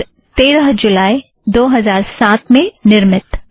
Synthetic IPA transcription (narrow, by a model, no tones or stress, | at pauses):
t̪eːɾəɦd͡ʒʊlaːi | d̪oːɦɐzaːɾsaːt̪mẽnɪɾmɪt̪